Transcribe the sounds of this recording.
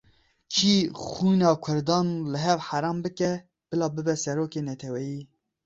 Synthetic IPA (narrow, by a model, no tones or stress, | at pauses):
kʰiːxuːnɑːkʷʰʊɾd̪ɑːnlɨɦɛvħaɾɑːmbɨkɛ | b̥ɨlɑːbɨbɛsɛɾoːkeːnɛt̪ʰɛwɛjiː